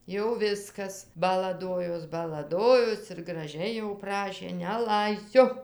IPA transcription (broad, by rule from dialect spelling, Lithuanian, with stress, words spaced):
jɛʊ ˈʋʲɪskɐs bɐlˠɐˈdoːjoːs bɐlˠɐˈdoːjoːs ɪr ɡrɐˈʒʲɛɪ jɛʊ ˈprɑːʃʲeː nʲɛˈlˠɐɪsʲʊ